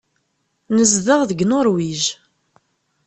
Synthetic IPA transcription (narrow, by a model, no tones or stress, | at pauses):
nəzðəʁðəɡnʊɾwiʒ